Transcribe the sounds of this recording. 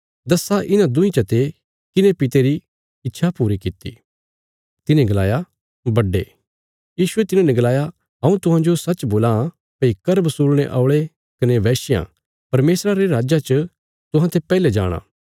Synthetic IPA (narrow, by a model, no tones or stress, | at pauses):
d̪ɐsːaʔɪnãd̪ʊ̃ĩt͡ʃɐt̪e | kɪnepɪt̪eɾi | ɪtːʃʰapuːɾikɪt̪ːḭ | t̪ɪnẽɡɐlaːja | bɐɖːḛː | jiːʃʊet̪ɪnãnɛ̃ɡɐlaːja | ɦɐ̃ũt̪ʊɦãd͡ʒosɐt͡ʃboːlã | pɐikɐɾbɐsuːlɽ̃eʔaːɭe | kɐneʋɛːsɪjã̰ː | pɐɾmeːsɾaɾeɾaːd͡ʒat͡ʃə | t̪ʊ̃ɦãt̪ʰepɛːled͡ʒa̰ːɽ̃ã̰ː